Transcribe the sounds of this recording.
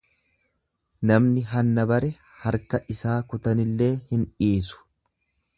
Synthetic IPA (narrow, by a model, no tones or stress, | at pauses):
nɐmnɪɦɐnːɐbɐɾɛ | hɐɾkɐʔɪsaːkʊt̪ɐnɪlːe̞ːhɪnᶑiːs̬ʊ̥